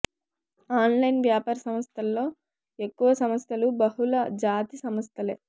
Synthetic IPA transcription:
aːnlɐjnʋjaːpaːɾɐsɐmɐst̪ʰɐlːo̞ː | ekːuʋɐsɐmɐst̪ʰɐlubɐɦulɐd͡ʒaːt̪isɐmɐst̪ʰɐlḛː

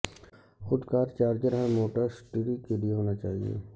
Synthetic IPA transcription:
xʊd̪kaːɾt͡ʃaːɾd͡ʒəɾɦɛ̃moːʈəɾsʈiɽikelieɦoːnat͡ʃaːɦiḛː

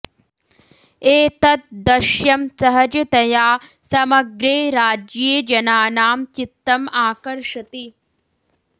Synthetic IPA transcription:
eːt̪ɐt̪̚d̪ɐʃjɐmsɐɦɐd͡ʒɐt̪ɐjaː | sɐmɐɡɾeːɾaːd͡ʒjeːd͡ʒɐnaːnaːmt͡ʃit̪ːɐmaːkɐɾʂɐt̪i

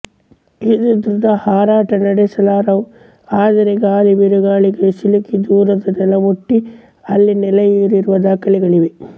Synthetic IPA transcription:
id̪ud̪ɾud̪ɐhaːɾaːʈɐnɐɽesɐlaːɾɐw | aːd̪ɐɾeɡaːliʋiɾuɡaːɭiɡɐsilukid̪uːɾɐd̪ɐnɛlɐmuʈːi | ɐlːinɛlɐjiɾiɾuʋɐd̪aːkɐliɡɐɭiʋe

